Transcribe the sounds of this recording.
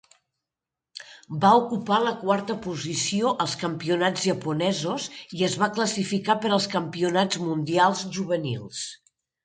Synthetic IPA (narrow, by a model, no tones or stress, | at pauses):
baukupaləkwaɾt̪əpuzisioʔəlˠskəmpiunad͡zʒəpunɛzuziəzβakləsifikapəɾəlˠskəmpiunad͡zmund̪ialˠzʒuβ̞ənḭlˠs